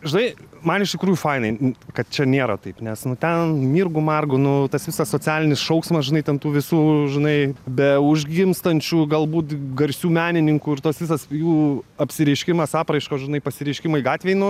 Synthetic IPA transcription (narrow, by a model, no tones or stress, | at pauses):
ʒʲɪnɐɪmɐnɪʃt̪ʲɪkɾuːjufɐɪnɐɪkɐt̪̚t͡ʃʲɛnʲeːɾɐt̪ɐɪpnʲɛsnʊt̪ʲɛnmʲiːrɡʊmɑrɡʊnʊt̪ɐsʋʲɪsɐssoːt͡sʲæːlʲɪnʲɪsʃɐʊksmɐsʒʲɪnɐɪt̪ʲɛnt̪uːʋʲɪsuːʒʲɪnɐɪbʲɛʊʒʲɡʲɪmst̪ɐnʲt͡ʃʲuːɡɐlˠbuːt̪ɡɐɾʲsʲuːmʲæːnʲɪnʲɪŋkuːɪrt̪oːsʋʲɪsɐsjuːɐpʲsʲɪɾʲɛɪʃʲkʲɪmɐsɑːpɾɐɪʃkoːʒʲɪnɐɪpɐsʲɪɾʲɛɪʃʲkʲɪmɐɪɡɑːt̪ʲʋʲeːɪnʊ